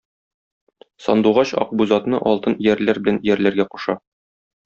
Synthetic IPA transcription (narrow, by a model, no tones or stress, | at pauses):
sɒnd̪uʁɑɕɒ̰q̚buzɑt̪nɤʔɒlˠt̪ɤnjæɾlæɾbɘ̆lænjæɾlæɾɡæqu̥ʃɑ